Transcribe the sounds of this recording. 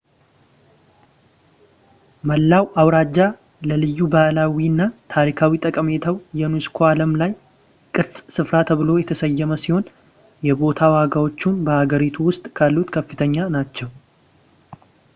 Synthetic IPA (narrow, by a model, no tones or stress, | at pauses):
məlːawawɾad͡ʒːa | ləlɨjːubalawinːat̪ʰaɾikʰawit̪ʼəkʼəme̞t̪ʰawjɛnuskʰoaləmlaj | kʼɨɾsʼsɨfɾat̪ʰəβɨlo̞jɛt̪ʰəsəjːɛməsiho̞n | jɛbo̞t̪ʰawaɡawo̞t͡ʃːunbəhaɡəɾit̪ʰuwʊst̪ʼkʰalːut̪kʰəfɨt̪ʰəɲːanat͡ʃːɛw